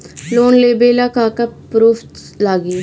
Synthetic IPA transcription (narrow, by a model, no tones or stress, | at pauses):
loːnleːbeːlaːkaːkapɾuːfʰ | laːɡiː